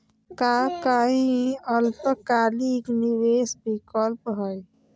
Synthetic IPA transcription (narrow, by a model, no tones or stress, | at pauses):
kaːkaːĩəlpəkaːlikniweːsbʱikɔlpɦəj